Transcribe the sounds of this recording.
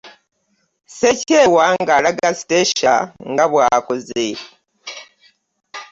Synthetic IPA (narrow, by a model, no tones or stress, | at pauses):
secewaŋɡalaɡasi̥teʃa̰ŋɡaβwaːkoze